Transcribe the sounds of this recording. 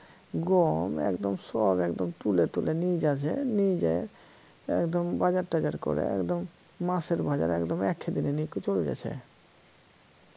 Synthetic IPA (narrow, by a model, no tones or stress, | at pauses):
ɡɔmɛ̰kd̪omsɔbɛkd̪omt̪ulet̪ulenid͡ʑat͡ɕʰḛnid͡ʑḛ | ɛkd̪ombad͡ʑaɾʈad͡ʑaɾko̰ɾḛɛ̰kd̪omː | aseɾbad͡ʑa̰ɾɛkd̪omɛkʰːed̪inenikut͡ɕoled͡ʑa̰t͡ɕʰḛ